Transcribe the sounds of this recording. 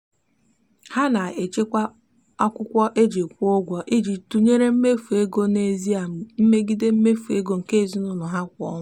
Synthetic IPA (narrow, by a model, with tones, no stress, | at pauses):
ha˦na˨e˨t͡ʃe˦kʷa˦ | ɔ˦kʷʊ˦kʷɔ˦ʔe˦d͡ʒe˨kʷo˦ɡʷɔ˨ʔe˦d͡ʒi˨tu˨ɲe˦ɾe˦m̩˦me˦fu˨e˦ɡo˦ne˨zi˦a˨m̩˨m̩˦me˦ɡi˦de˦m̩˦me˦fu˨e˦ɡo˦ŋ̩˨ke˦˨zi˦nʊ˦lʊ˨ɦa˦kʷɔ̰˦ŋʊ˦